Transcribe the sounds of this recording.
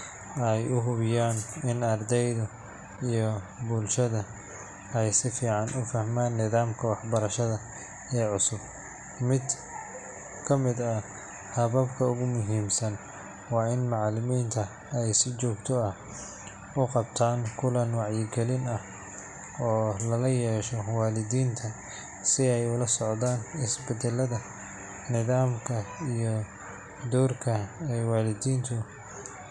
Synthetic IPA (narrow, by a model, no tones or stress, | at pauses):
ɛjʔʊɦʊβɪjaːnɪnɐrd̪ɛjðɐ | ijɞbʊlʃɐðɐ | ɛjsɪfiːʕɑnʔʊfɐhmaːnːɪðaːmkʰɐwɑħbɐɾɐʃɐðɐ | ɛːʕʊsʊb | mɪd̪ | kʰɐmɪd̪ɐ | hɐβɐbkʰɐʊɣʊmʊɦiːmsɐn | wɑːɪnmɑʕlɪmiːnt̪ʰɐ | ɛjsɪt͡ʃɔːɡt̪ʰɔɐ | ʊqɑbt̪ʰaːŋkʰʊlɐnwɑʕjɪɡɛlɪnɐh | ɔːlɐlɐjɛːʃɔwɑːlɪd̪iːnt̪ʰɐ | sɪɛjʊlɐsɔʕd̪aːnɪsbɛd̪ɛlɐðɐ | nɪðaːmkʰɐijɔ | d̪ɔːrkʰɐɛjwɑːlɪdiːnt̪ʰʊ